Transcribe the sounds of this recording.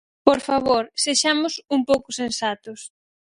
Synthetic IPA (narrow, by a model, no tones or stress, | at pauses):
poɾfaβoɾseʃamʊsumpowkʊsensat̪ʊs